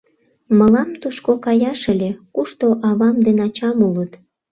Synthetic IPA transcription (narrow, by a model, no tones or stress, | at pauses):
məlɑmt̪uʃkokɑjɑʃə̆lʲekuʃt̪oʔɑβɑmd̪enɑt͡ɕɑmulət̪